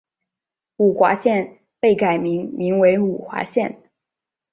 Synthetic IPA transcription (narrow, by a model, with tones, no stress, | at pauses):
u˨˩xwa̰˧˥ɕjɛ˥˧n | pe˥˩ɪka˨˩ɪmi˧˥ŋmi˧˥ŋwe˧˥ɪu˨˩xwa̰˧˥ɕjɛ˥˩n